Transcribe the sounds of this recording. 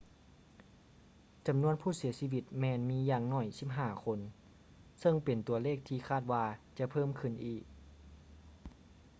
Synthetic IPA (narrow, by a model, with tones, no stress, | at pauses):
t͡ɕa˨˩mnu˧˥ənpʰuː˥˩si˨˦ɐsi˧˨ʋi˧t̪̚mɛː˧nmiː˧˥jaː˧ŋnɔː˧˥˩jsi˧˥p̚ɦaː˧˩kʰo˧n | sɤ˧˩ŋpe˨˩nt̪u˨˧˩ɐleː˥˩k̚t̪ʰiː˧˩kʰaː˧˥˩t̪̚waː˧t͡ɕa˧pʰɤː˥˩˨mkʰɯ˧˩nʔiː˧˩k̚